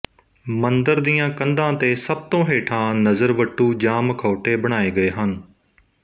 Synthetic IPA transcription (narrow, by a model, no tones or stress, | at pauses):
mənd̪əɾd̪ijãːkənd̪ãːt̪eːsəb̚t̪õːɦeːʈʰãːnəzəɾʋəʈːuːd͡ʒãːməkʰoːʈeːbəɽ̃aːeːɡəeːɦən